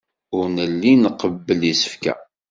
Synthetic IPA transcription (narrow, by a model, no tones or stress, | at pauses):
ʊɾnəlːinqəbːəlisə̥fkæ̰